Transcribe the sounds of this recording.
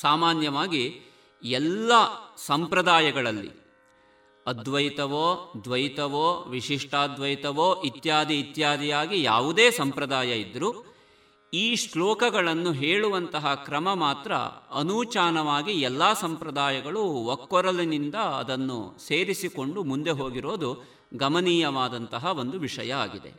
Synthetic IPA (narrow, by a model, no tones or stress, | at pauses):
saːmaːnjɐʋaːɡi | ɛlːɐsɐmpɾɐd̪aːjɐɡɐɭɐlːḭ | ɐd̪ʋɐjt̪ɐʋoːd̪ʋɐjit̪ɐʋoːʋiʂiʂʈaːd̪ʋɐjt̪ɐʋoːʔit̪jaːd̪ʱiːt̪jaːd̪ʱijaːɡija̰ːʋud̪eːsɐmpɾɐd̪aːjɐid̪ːɐɾu | iːslɔːkɐɡɐɭɐnːuɦeːɭuʋɐnt̪ɐɦɐkɾɐmɐmaːt̪ɾɐ̰ɐnuːt͡ʃaːnɐʋaːɡiɛlːaːsɐmpɾɐd̪aːjɐɡɐɭuʋokːɔɾɐlinind̪ɐɐ̰d̪ɐnːṵse̞ːɾisiko̞ɳɖumund̪e̞ɦo̞ːɡiɾo̞ːd̪u | ɡɐmɐniːjɐʋaːd̪ɐnt̪ɐɦɐo̞nd̪uʋiʂɐ̰jɐaːɡid̪e̞̰